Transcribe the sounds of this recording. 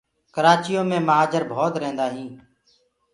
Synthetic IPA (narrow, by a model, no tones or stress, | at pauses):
kəɾaːt͡ʃɪjõːmẽːməɦaːd͡ʒəɾbʱoːt̪ɾẽːnd̪aːɦĩː